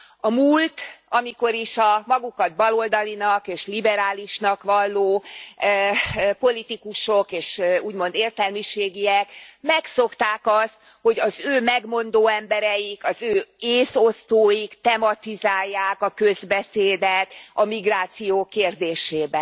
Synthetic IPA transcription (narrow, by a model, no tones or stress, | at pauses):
ɒmult̪ɒmiko̞ɾiʃɒmɒɡukɒd̪̚bɒlo̞ld̪ɒlinɒkeːʃlibɛɾaːliʃnɒkʋɒlːoː | po̞lit̪ikuʃo̞keːʃuːɟmo̞nd̪eːrt̪ɛlmiʃeːɡiɛkmɛkso̞kt̪aːkɒst̪ | ho̞ɟɒzøːmɛɡmo̞nd̪oːɛmbɛɾɛjikɒzøːeːsost̪oːjikt̪ɛmɒt̪izaːjːaːkɒkøzbɛseːd̪ɛt̪ɒmiɡraːt̪sijoːkːeːrd̪eːʃeːbɛ